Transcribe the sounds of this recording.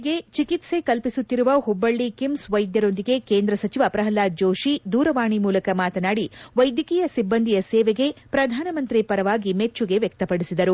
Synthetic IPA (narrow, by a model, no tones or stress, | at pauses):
ɡe̞t͡ʃikit̪se̞kɐlpisut̪ːiɾuʋɐɦubːɐɭːikimsʋɐjd̪jɐɾo̞nd̪iɡe̞keːnd̪ɾɐsɐt͡ʃiʋɐpɾɐɦɐlaːd͡ʒoːʃid̪uːɾɐʋaːɳimuːlɐkɐmaːt̪ɐnaːɽiʋɐjd̪jɐkiːjɐsibːɐnd̪ʱijɐsɛːʋeɡe̞pɾɐd̪ʱaːnɐmɐnt̪ɾipɐɾɐʋaːɡime̞t͡ʃːuɡe̞ʋjɐk̚t̪ɐpɐɽisid̪ɐɾu